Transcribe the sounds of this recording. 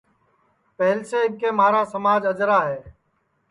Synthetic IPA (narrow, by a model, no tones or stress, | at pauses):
pɛɦlseːɪkeːmaːɾaːsəmaːd͡ʒəd͡ʒɾaːɦɛː